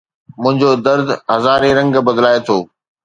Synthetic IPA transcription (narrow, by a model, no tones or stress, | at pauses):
mʊ̃ɦɪ̃ɲd͡ʑod̪ɐɾd̪ɦɐzaːɾeɾɐ̃ŋɡbɐd̪laːet̪ʰoː